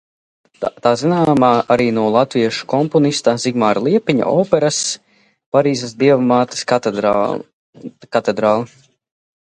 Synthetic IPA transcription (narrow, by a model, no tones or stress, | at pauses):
t̪aːzinaːmaːʔaɾiːnuɔlˠat̪viɛʃu̥kɔmpɔnist̪aziɡmaːɾlˠiɛpiɲa̰ʔɔːpɛɾas | paɾiːzɐs̬d̪iɛvmaːt̪ɐ̥s | kat̪ɛd̪ɾaːlˠi